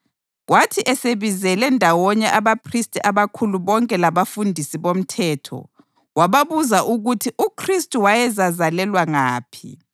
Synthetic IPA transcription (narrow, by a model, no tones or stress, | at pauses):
ɣwatʰiʔɛseβizɛlɛndʱawɔɲɛʔaβapʰristʼiʔaβakʰuluβɔŋkʼɛlaβafundʱisiβom̩tʰɛːtʰɔ̰ | ɣwaβaβuzaʔuɣutʰiʔukʰristʼuwajɛzazalɛlwaŋaːpʰḭ